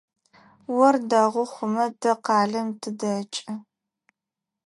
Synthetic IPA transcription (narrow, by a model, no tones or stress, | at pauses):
wɔrdɐʁʷʊχʷʊmɐdɐqɑːɮɐmtʰɨdɐt͡ʃʼɐ